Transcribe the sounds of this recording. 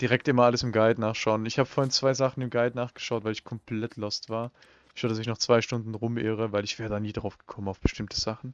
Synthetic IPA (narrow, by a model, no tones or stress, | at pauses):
d̥iʁɛk̚tʔɪmɐʔaləsɪmɡaɪtnaːχʃaʊənɪçhaːbəfoɐhɪnt͡sv̥aɪzaχn̩ɪmɡaɪtnaːχɡ̥ə̥ʃaʊtvaɪlɪçkʰɔmplɛtʰlɔstv̥aːɐ | ɪʃaʊədasɪç̬nɔχt͡sv̥aɪʃtʊndn̩ʁʊmʔḛːʁ̞əvaɪlɪçv̥ɛːʁədaːniːdʁaʊfɡ̥ə̥kʰɔmənaʊfb̥ə̥ʃtɪmtʰəz̥aχn̩